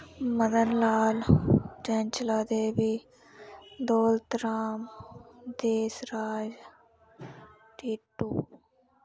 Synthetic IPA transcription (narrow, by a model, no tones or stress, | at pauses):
məd̪ənlaːld͡ʒɛ̃ːnt͡ʃlaːd̪eːbiː | d̪oːlt̪ɾaːmd̪eːsɾaːd͡ʒ | ʈiːʈːuː